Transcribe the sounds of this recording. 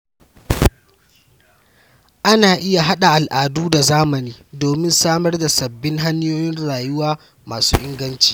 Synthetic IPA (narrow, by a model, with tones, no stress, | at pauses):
ʔa˦naː˨ʔɪ˦ja˨ɦa˦ɗa˨ʔa˨lʔaː˨duː˦da˨zaː˦mɐ˨niː˦doː˨mɪ˦nsaː˦mɐ˦rda˨sɐ˨bːɪ˦ŋɦa˦ɲ˦joː˦jɪ˦nɽaː˨jʊ˦waː˦ | maː˨su̥ː˦ʔɪ˦ŋɡɐ˦nt͡ʃi̥ː˨